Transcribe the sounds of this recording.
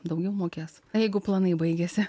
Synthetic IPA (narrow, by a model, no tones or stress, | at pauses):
d̪ɐʊɡʲɛʊmoːkʲeːs | jɛɪɡʊplˠɐnɐɪbɐɪɡʲesʲɪ